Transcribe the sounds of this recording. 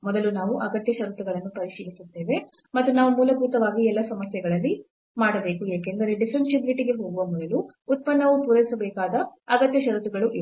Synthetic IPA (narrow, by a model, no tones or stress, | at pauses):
mɔd̪ɐlunaːʋuʔɐɡɐt̪jɐʃɐɾut̪uɡɐɭɐnːupɐɾiʃiːlisut̪ːe̞ːʋe̞ | mɐt̪ːunaːʋumuːlɐbuːt̪ɐʋaːɡiɛlːɐsɐmɐsjɛɡɐɭɐlːi | maːɽɐbe̞ːkueːkend̪ɐɾe̞ɖisɾɐnʈʃib̪ɾiʈiɡe̞ɦo̞ːɡuʋɐmɔd̪ɐluːt̪̚pɐnːɐʋupuːɾɐʋisɐbɛːkaːd̪ɐɐɡɐt̪jɐʃɐɾut̪uɡɐɭuʔi